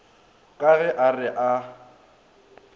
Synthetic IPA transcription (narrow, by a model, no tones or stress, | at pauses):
kʼaɣɛʔarɪʔa